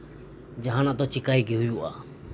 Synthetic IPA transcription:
d͡ʒaɦanat̪ɔt͡ʃikajɡiɦujuʔa̰

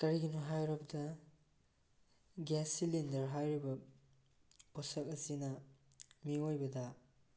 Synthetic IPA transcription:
kɐɾiɡinuɦajɾɐbɐdɐ | ɡɛsilindɐɾɦajɾibɐ | posɐk̚ɐsinɐ | miojbɐdɐ

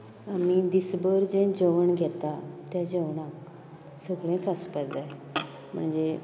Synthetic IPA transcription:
amid̪isbəɾd͡ʑẽd͡ʑəʋəɳɡʱɛt̪at̪jad͡ʑəʋɳãk | səɡɭẽt͡saspəd̪d͡za | m̤ə̰ɳd͡ze

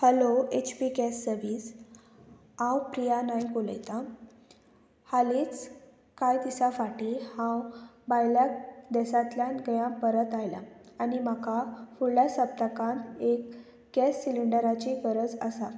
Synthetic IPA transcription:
həloet͡ɕpikɛsːəɾʋiːs | ãwpɾijanajkolə̰jt̪a | haliːt͡s | kajt̪isafaʈihãwbajljakd̪ɛsãt̪ljãnɡəjãpəɾət̪ajla̰ː | nim̤akafuɭljasəp̚t̪əkãnt̪ek | ɡɛsːiliɳɖəɾat͡ɕifəɾəd͡zəsa

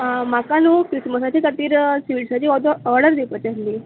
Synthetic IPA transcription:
amakanuːkɾisməsat͡ɕikat̪iːɾsʋiɽsat͡ɕiːɔd̪oɔɾɽəɾd̪epət͡ɕasliː

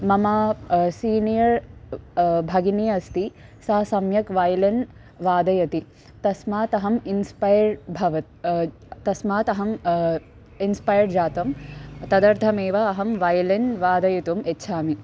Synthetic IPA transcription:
mɐmaːsiːnijɐɾ | bʱɐɡinijɐɐst̪i | sɐɐsɐmjɐkʋaːjlɐn | ʋaːd̪ɐjɐt̪i | t̪ɐsmaːt̪ɐɦɐminspajɾbʱɐʋɐt̪ | t̪ːɐsmaːt̪ɐɦɐm | inspajɐɾɖd͡ʒaːt̪ɐmt̪ɐd̪ɐɾt̪ʰɐmeːʋɐːɦɐmʋaːjlenʋaːd̪ɐjit̪umetːʃʰaːmi

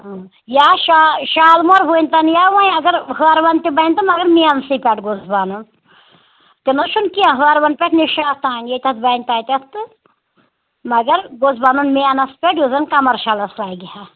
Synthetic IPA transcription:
jaːʃaʃaːlmoɾbunʲt̪ɐnjaːʋãĩɐɡɐɾɦəaɾʋɐnt̪ʲibɐnʲt̪ɨmɐɡɐɾmiansipʲeʈɡozbanun | t̪inɐʃunkiãɦəaɾʋɐnpʲeʈʰniʃaːt̪aːnjet̪ʲɐt̪̚bɐnʲt̪aːt̪ʲɐt̪ɨ | mɐɡɐɾɡozbaːnunmianɐspʲeʈjuzɐnkɐmɐɾʃaːlɐslaːɡiha

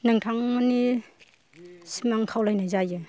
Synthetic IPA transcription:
nɯŋtʰaŋmani | simaŋkʰawlajnajzajɯ

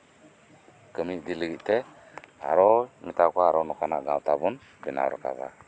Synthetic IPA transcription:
kəmidiləɡiʔte | ha̰ɾomitakʷaaɾonukana̰ɡãtabun | bina̰ɾṵka̰za̰

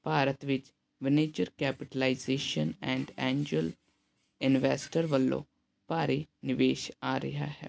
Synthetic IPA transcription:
paːɾət̪ʋɪt͡ʃ | ʋɪneːd͡ʒəɾkɛːpɪʈəlaːizeːʃənɛ̃ːɳɖɛ̃ːɲd͡ʒuəl | ɪnʋɛːsʈəɾʋəlːõ̰ː | paːɾiːnɪʋeːʃaːɾə̰ɦa̰ːɦɛ̰ː

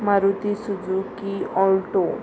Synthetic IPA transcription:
maɾut̪isud͡zukiɔlʈo

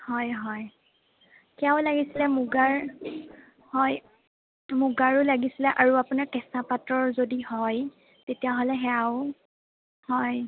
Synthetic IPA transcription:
hɔjɦɔj | kɛaʊlaɡisilɛmuɡaɹ | hɔj | muɡaɹʊlaɡisilɛʔaɹuapunaɹkɛsapatɹɔɹzodihɔj | tetijaɦolɛɦɛaʊ | hɔj

